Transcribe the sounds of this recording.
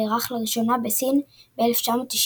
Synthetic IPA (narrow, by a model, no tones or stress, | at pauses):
eʁaχlaʁiʃo̞nabesinbeeleft͡ʃamo̞t̪ːiʃ